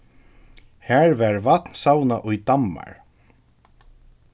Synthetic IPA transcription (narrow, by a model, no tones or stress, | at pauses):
hæːɹvaɹvat̪nsawnaʔʊjd̪amːa̰ɹ